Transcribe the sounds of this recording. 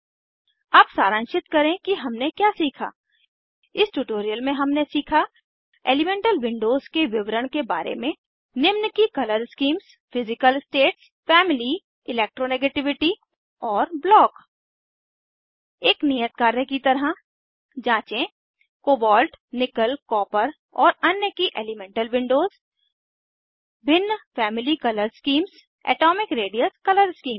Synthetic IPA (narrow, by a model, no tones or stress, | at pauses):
aːpsaːɾə̃nʃɪt̪kɐɾẽkiɦɐmnekjaːsiːkʰa̰ː | ɪsʈuːʈoːɾijəlmẽɦɐmnesiːkʰa | ḛːlɪmẽːɳʈəlʋɪ̃ɳɖoːzkeʋɪʋɾəɽ̃kebaːɾḛmẽ | nɪmnəkikɐləɾskiːms | fʰɪzɪkəlɪsʈeːʈs | fɛːmɪli | ɪleːk̚ʈɾoneːɡeːʈɪʋɪʈi | ɔːɾblɔːk | eːknijət̪̚kaːɾəkit̪ɐɾɦa | d͡ʒãːt͡ʃẽ | koːbɔːlʈnɪkəlkɔːpəɾ | ɔːɾɐnjəkiʔḛːlɪmɛ̃ːɳʈəlʋɪ̃ɳɖoːz | bʱɪnːfɛːmɪlikɐləɾskiːms | ɛ̰ːʈɔːmɪkɾeːɖijəskɐləɾskiːm